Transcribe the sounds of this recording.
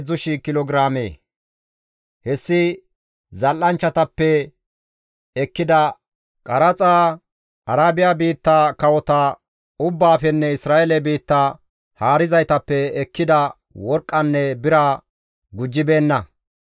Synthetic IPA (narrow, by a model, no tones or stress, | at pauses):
ʊʃɪkɪlɔɡɪɾaːmḛː | hɛsːɪ | zɐlːɐnt͡ʃːɐt̪ɐpːɛ | ɛkːɪd̪ɐ | kʼɐɾɐt͡sʼaː | ɐɾaːbɪjaːbiːt̪ːakɐwɔt̪ɐ | ʊbːaːfɛnːɛɪsɾaːʔɛlɛbiːt̪ːa | haːɾɪzɐjt̪ɐpːɛɛkːɪd̪ɐ | wɔɾkʼːɐnːɛbɪɾa | ɡʊd͡ʒːɪbe̞ːnːɐ